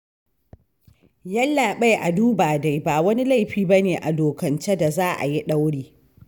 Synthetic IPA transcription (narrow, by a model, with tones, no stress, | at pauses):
jɐ˦lːaː˨ɓa˦jʔa˨duː˦baː˨da˦jbaː˨wɐ˦ni˦la˦˨jɸiː˨bɐ˦neː˨ʔa̰˨doː˨kɐ˨nt͡ʃe˦da˨zaː˦ʔa̰˨ji˦ɗa˦wɽiː˦